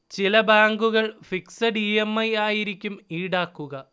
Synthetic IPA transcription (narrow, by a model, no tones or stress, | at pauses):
t͡ɕilɐbaːŋɡuɣɐɭfiksɐɖiemːɐjaːjiɾikʲːumiːɽaːkːuɣɐ